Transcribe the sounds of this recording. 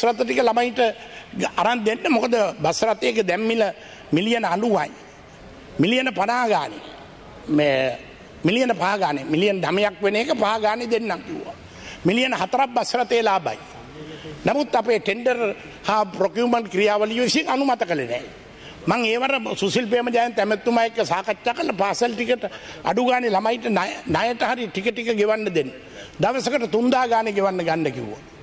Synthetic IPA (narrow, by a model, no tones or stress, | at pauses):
sɾat̪əʈikəlamaiʈə | aɾand̪enːəmokəd̪əbasɾat̪eːkəd̪ɛmːilə | milijənanuʋa̰ɲ | milijənəpanaːɡaːnḛ | me | milijənəpaɦaɡaːnemilijənd̪amejakʋeneːkəpaɦaɡaːned̪enːaŋkiṵʋa̰ | milijənəɦat̪əɾap̚ːbasɾat̪eːlaːba̰j | namut̪ːapeːʈeɳɖər | haːpɾokjuːməɳʈkɾijaːʋəliʋesŋanumat̪əkəlenɛ̰ː | maŋeːʋaɾəsusilpeːməd͡ʒajnt̪ɛmet̪ːumajekːəsaːkatːaːkələpaːselʈikəʈa̰ɖuɡaːnelamajʈənanajəʈəhaɾiʈikəʈikəɡeʋanːəd̪enːə | d̪aʋəsəkəʈət̪und̪aːɡaːneɡeʋanːəɡanɖəkḭʋṵʋa̰